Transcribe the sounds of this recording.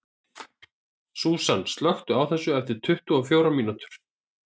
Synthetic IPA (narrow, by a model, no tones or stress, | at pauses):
suːsanst̪lœxt̪ʏawθɛsːʏɛft̪ɪɾ̥t̪ʰʏht̪uɔfjowɾamiːnut̪ʏɾ̥